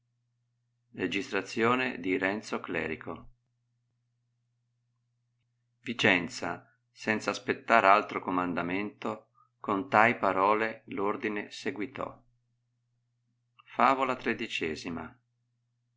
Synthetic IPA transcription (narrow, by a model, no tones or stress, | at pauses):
red͡ʒist̪ɾat̪sːjoːnḛd̪iɾɛnt̪soklɛ̰ːɾikʰo | vit͡ʃɛnt̪sa̰ | sɛnt̪saːspet̪ːaːɾealt̪ɾokomand̪ament̪o | kont̪ajpaɾɔːlelord̪ineseɡwit̪ɔ̰ | faːvolat̪ɾed̪it͡ʃɛːzima̰